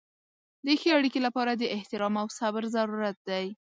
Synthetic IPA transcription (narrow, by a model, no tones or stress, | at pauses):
d̪əxeaɽikelapɑɾad̪əɪht̪ɪɾɑmawsabɾzaɾuɾat̪̚d̪aj